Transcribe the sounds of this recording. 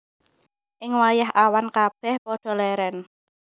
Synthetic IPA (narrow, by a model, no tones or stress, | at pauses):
ʔɪŋwajaɦʔawankab̥ɛhpɔɖ̥ɔ̤lɛɾɛn